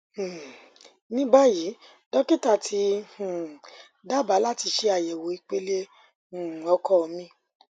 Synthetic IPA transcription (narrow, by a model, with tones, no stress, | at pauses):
h̩˨ | nĩ˦ba˦ji˨˦ | dɔ˦ki˦ta˦˨tʰi˧˦hũ˨ | da˦˨ba˨˦la˦ti˧ʃe˧˦a˨jɛ˨wo˨˦i˧k͡pe˦lẽ˦˨ | ɔ˧˦kɔ˦ɔ˧mĩ˧˦